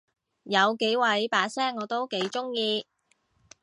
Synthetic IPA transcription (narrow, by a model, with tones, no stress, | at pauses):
jɐ˨˧wke˨˥jwɐ˨˧˥jpaː˧sɛː˥ŋːɔː˨˧t̪o˥wke˨˥jt͡ʃʊ˥ŋjiː˧